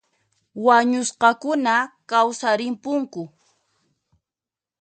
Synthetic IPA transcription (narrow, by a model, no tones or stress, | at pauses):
waɲʊsqɑkʊnakawsaɾɪmpʊŋkʊ